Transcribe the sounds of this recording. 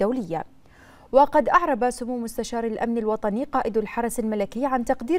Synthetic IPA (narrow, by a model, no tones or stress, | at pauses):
awlɪjːa̰ | wɑqɑd̪ʔɑʕɾˤɑbasʊmuːmʊst̪aʃɑːɾˤalʔa̰mnalwɑt̪ˤɑniːqɑːʔɪd̪alħɑɾˤɑsalmalakɪjːʕant̪ɑqd̪iː